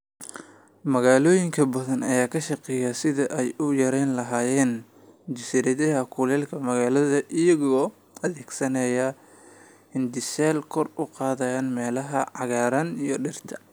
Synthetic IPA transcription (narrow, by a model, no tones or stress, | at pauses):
mɐɣaːlɔːjɪŋkʰɐbɐðɐnɐjaːkʰɐʃɑqɛːjɐsɪðɐʔɛjʔʊjɐɾɛːnlɐɦaːjɛːn | d͡ʒɪsɪɾɐðɐɦɐkʰʊlɛːlkʰɐmɐɣaːlɐðɐʔɪjɐɣɔː | ɐðɛːɡsɐnɐjɐ | ɪnd̪ɪsɛːlkʰɔrʊqɑːðɐjanmɛːlɐɦɐʕɑɣaːɾɐnijɞɖɪrt̪ʰɐ